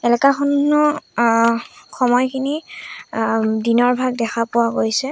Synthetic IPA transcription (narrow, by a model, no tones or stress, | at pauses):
ɛlɛkaxɔnnɔ | xɔmɔjkʰini | dinɔɹbʱaɡ̚dɛxʰapʊwaɡojsɛ